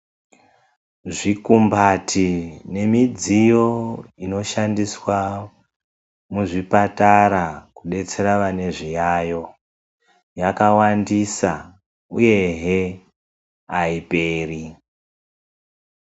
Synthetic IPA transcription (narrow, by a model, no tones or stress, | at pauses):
ʐikumbatʰine̞mid͡zijo̞ino̞ʃandiswa | muʐipataɾakuɗe̞t͡se̞ɾaʋane̞ʐijajo̞ | jakawandisa | uje̞ɦe | aipeːri